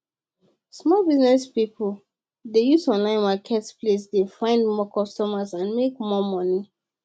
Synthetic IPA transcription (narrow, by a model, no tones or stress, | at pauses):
smɔlˠbiznɛspipol | dejusɔ̃nlãɪ̃nmakʰɛtples̬defãɪ̃ndmɔkɔstɔmasãnmekmɔmɔni